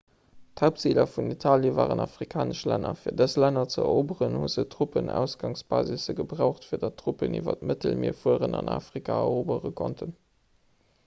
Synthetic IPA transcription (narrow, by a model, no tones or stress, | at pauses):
thaʊp̚tt͡silɐfunitʰaːljəvaːʁənɑfʁ̥ikʰaːnəʃlænɐfiːɐdəslænɐt͡səɛoːbəʁənhuzətʁ̥upənæ̰ʊsɡ̥ɑŋsb̥aːzisəɡəbʁaʊχtfiːɐdɑtʰːʁ̥upənḭːvɐ̰tmətəlmiːɐfuəʁənɑna̰ːfʁ̥ikʰaːɐoːbəʁəkʰontʰən